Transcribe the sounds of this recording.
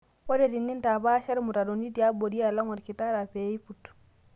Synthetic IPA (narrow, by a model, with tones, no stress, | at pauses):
o˦de˨ti˨nːi˦nta˨ba˦ʃa˦ɾmu˨ta˨do˨ndi˦ti˨a˦bo˨di˦a˨la˦ŋɔ˨ɾki˨ta˦ɾa˨pe˨˦i˦pu˨tu̥